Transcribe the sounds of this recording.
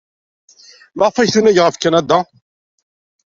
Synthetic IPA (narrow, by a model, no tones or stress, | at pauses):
maʁfæjθunæʝʁəfkːænæd̪a